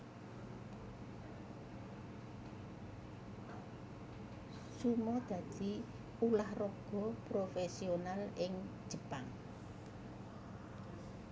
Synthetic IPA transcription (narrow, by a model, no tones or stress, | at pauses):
sumɔd̪̥ä̤d̪̥i̤ | ulahrɔɡ̥ɔ̤pɾofɛsionalɪŋ̥ʒ̥ə̤paŋ